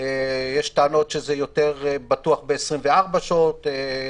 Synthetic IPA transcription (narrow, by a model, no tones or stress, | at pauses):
ejeʃteano̞tʃezejo̞teʁbatuaχbeːsʁimveaʁbaʃaote